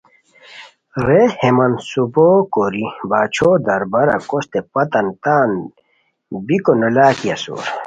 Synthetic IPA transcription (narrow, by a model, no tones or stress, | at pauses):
ɾehemɐnsuboːkoɾibaːt͡ɕʰoːd̪ɐɾbɐɾɐ̰kost̪epɐt̪ɐnt̪aːn | bikonolaːkijɐso̰ːɾ